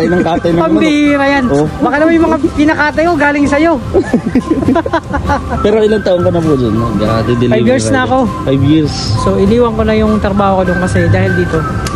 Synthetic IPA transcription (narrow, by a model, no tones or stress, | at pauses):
ɐjnɐŋkaːt̪ɐjmɐpɐmbɪɾɐjanbɐkɐnɐmanjʊŋmɐŋakɪnɐkaːt̪ɐjkoɡaːlɪŋsɐjo̞ | pɛːɾo̞ʔɪlant̪aʔoŋkɐnɐpud͡ʒonːoɡɐɾɐd̪id̪ɪlajbjiːɹsnɐɐko̞fajbjɪɾsso̞ʔɪniːwɐŋko̞nɐjʊŋt̪ɾɐbaːhokod̪ʊonkɐsɛd̪aːhɪld̪iːt̪o̞